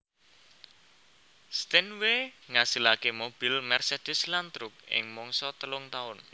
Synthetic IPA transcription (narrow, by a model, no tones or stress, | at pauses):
st̪ɛnweŋasilakemob̥ilmɛrsed̥ɛslant̪ɾʊk̚ɪ̰ŋmɔŋsɔt̪əlʊŋt̪aʊn